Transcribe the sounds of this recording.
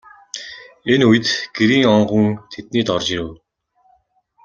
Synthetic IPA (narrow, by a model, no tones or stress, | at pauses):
enujɘ̆t̪ɡ̥eɾiːŋɔɴɢə̆ŋt̪ʰet̪̚niːt̪ɔrt͡ɕiɾɘ̆w